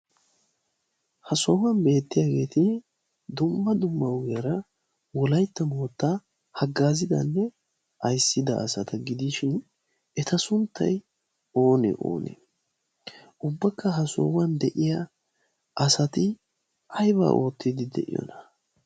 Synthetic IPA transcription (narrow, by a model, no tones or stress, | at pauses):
hɐsoːwɐnbe̞ːt̪ːɪjaːɡe̞ːt̪ɪ | d̪ʊmːɐd̪ʊmːɐwɡeɾɐ | wɔlɐjt̪ːɐmoːt̪ːa | hɐɡːaːzɪd̪ɐ̰nːɛ | ʔɐjsːɪd̪ɐ̰ʔːsɐt̪ɐɡɪd̪iʃɪn | ɛt̪ɐsʊnt̪ːɐ̰j | o̞ːnɛ̰ʔo̰ːnḛ | ʔʊbːɐkːɐɦɐso̰ːwɐnd̪ɛʔɪjɐ | ʔɐsɐt̪ɪ | ɐjba̰ːʔo̞ːt̪ːɪd̪ɪd̪ɛ̰ʔɪ̰jɔ̰nɐ̥